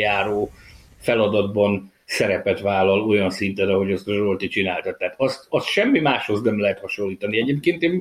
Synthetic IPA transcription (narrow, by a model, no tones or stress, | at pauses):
jaːɾoː | fɛlɒd̪ɒd̪bɒn | sɛɾɛpɛt̪vaːlɒlo̞jɒnsint̪ɛnɒɦo̞ɟɒst̪ʒolt̪it͡ʃinaːlt̪ɒt̪ːɛɦaːt̪ɒst̪ɒst̪ʃɛmːimaːʃho̞znɛmlɛɦɛt̪hɒʃo̞lːiːt̪ɒniɛɟeːp̚keːnt̪eːm